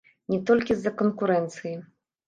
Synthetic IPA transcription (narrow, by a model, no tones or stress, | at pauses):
nʲɛt̪ɔlʲkʲizːɐkɔnkuɾɛnt̪sɨji